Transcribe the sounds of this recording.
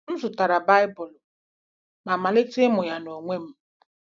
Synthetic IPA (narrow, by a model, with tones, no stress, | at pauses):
n̩˦zʊ˨ta˨ɾa˨ba˦ɪ˦bʊ˨lʊ˨ | ma˨ma˨lɪ˦tɪ˦mʊ˨ja˨no˨ŋʷe˦m̩˦